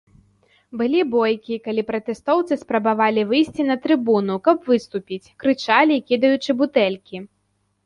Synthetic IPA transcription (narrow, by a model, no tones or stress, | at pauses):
bɨlʲibɔjkʲikalʲipɾɐt̪ɛst̪ɔwt̪sɨspɾɐbavalʲivɨjsʲt͡sʲinɐt̪ɾɨbunukɐpvɨst̪upʲit͡sʲkɾɨt͡ʂalʲikʲid̪ɐjut͡ʂɨbut̪ɛlʲkʲi